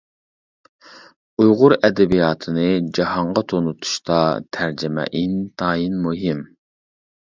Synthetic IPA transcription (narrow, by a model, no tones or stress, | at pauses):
ujʁʊɾɛd̪ɛbijɑːt̪ʰɨnɨd͡ʒɑhɑɴʁɑt̪ʰonut̪ʰu̥ʃt̪ɑt̪ʰæɾd͡ʒɪmɛ̰ʔint̪ʰɑːjinmuɦim